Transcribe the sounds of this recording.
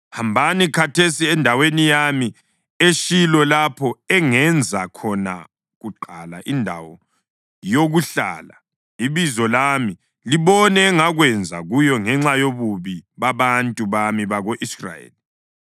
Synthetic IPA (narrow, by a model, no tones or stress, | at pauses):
hambʱanikʰatʰesiɛndʱawenijami | eʃilɔlapʰɔɛŋɛnd͡zʱakʰɔna̰ | ɣuǃalaʔindʱa̰wɔ | joɣuɬa̰ːla | iβizɔlami | liβɔnɛːŋaɣwɛnd͡zʱa̰ɣujɔŋɛŋ͡ǁajoβuβiβaβantʼuβamiβaɣoʔisra̰jḛːli